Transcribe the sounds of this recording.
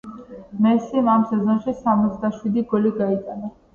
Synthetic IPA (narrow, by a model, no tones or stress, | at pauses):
mɛsimamsɛzɔnʃisamɔt̪sʰd̪aʃwid̪iɡɔliɡait̪ʼana